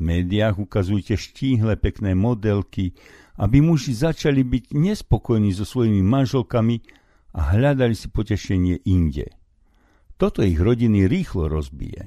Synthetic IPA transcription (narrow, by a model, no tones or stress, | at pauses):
mɛːd̪iaɣukazujɛcɛʃciːɦlɛpɛknɛːmɔd̪ɛlki | ʔa̰bimuʒizat͡ʃalibiɟɲɛspɔkɔjniːzɔsʋɔjimimanʒɛlkami | a̰ɦʎad̪alisi̥pɔcɛʃɛɲɪɛʔiɲɟɛ̰ | t̪ɔt̪ɔiɣɾɔɟiniɾiːxlɔɾɔzbḭjɛ̰